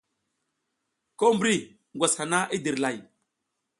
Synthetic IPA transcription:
ko˦mbɾi˦˨ | ŋɡʷa˨sha˨na˦ʔi˦di˨ɾla˨j

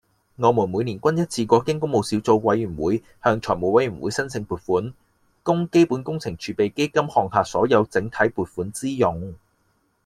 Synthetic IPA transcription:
ŋɔː˨˧muː˨˩nmuː˨˧jniː˨˩nkʷɐ˥njɐ˥t̚t͡sʰiː˧kʷɔː˧kɪ˥ŋkʊ˥ŋmo˨˧wsi˨˥wt͡so˧wwɐ˨˧jyː˨˩wuː˨˥j | hœː˧ŋt͡ʃʰɔː˨˩jmo˨˩wɐ˨˥jɥyː˨˩nwṵ˨˧˥jsɐ˥nsʰɪ˧ŋpuː˨t̚fuː˨˥n | kʊ˥ŋke˥jpuː˨˥nkʊ˥ŋt͡sʰɪ˨˩ŋt͡ʃʰyː˨˧pe˨jke˥jkɐ˥mhɔː˨ŋhaː˨˧t̚sɔ̰ː˨˥jɐ˨˧wt͡sɪ˨˥ŋt̪ʰɐ˨˥jpuː˨t̚fuː˨˥nt͡siː˥jʊ˨˧ŋ

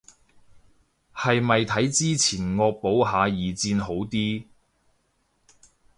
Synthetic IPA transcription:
hɐ˨jmɐ˨jt̪ʰɐ˨˥jt͡siː˥t͡sʰiː˨˩nŋɔː˧k̚po˨˥wɦaː˨˧jiː˨t͡siː˧nɦo˨˥wt̪iː˥

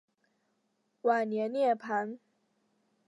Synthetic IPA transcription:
wa˨˩njɛ˧˥nnjɛ˥˩pʰa˧˥˦n

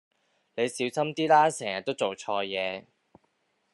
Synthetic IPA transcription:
le˨˧jsiː˨˥wsɐ˥mt̪iː˥laː˥sɛː˨˩ŋjɐ˨t̪̚ːo˥wt͡so˨wt͡ʃʰɔː˧jɛː˨˧

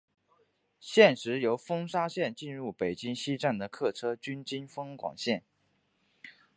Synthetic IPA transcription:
ɕjɛ˥˩nʂɻ̩˧˥jo˧˥ʊfɤ˥ŋʂa˥ɕjɛ˥˧nt͡ɕi˥˧nɻu˥˩pe˨˩ɪt͡ɕi˥ŋɕi˥ʈ͡ʂa˥˩nd̪ə˩kʰɤ˥˩ʈ͡ʂʰɤ˥t͡ɕy˥nt͡ɕi˥nfɤ˥ŋkwɑ̰˨˩ŋɕjɛ˥˩n

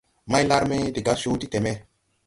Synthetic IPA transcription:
ma˦jla˦ɾme˦de˨ɡa˦so˦ti˦te˨mɛ˦

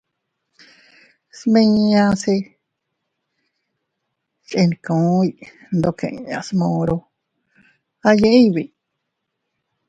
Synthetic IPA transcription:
smẽ˧ã˧se˧ | t͡ʃʼe˧ni˧kõ˨˦ji˧ | nd̪o˧kʰḛ̃˧˨˧ã̰˧smõ˧ɾo˧ | a˧jẽ˧˦ʔĩ˦˧βi˧˨

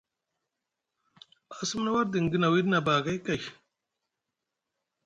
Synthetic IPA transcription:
a˨su˦mna˦wa˦ɾdi˨ŋɡi˦na˨wi˦dna˨baː˨ɡa˦jka˨

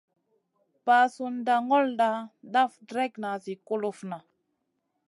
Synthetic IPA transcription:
pa˨su˨nda˨ŋɔ˦lda˦ɗa˦fdɾɛ˦kna˨zi˨ko˦lo˦fna˨

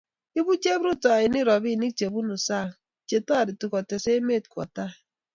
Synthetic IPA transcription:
i˦bu˦t͡ʃe˦bɾu˦ta˨a˨i˨ni˦ɾɔ˨bi˦˨ni˦k̚t͡ʃe˨bu˦nu˨sa˦˨ | t͡ʃe˨tɔ˦a˨ɾi˨tu˦kɔ˨te˨se˦me˦˨tkwɔ̰˨ta˦˨

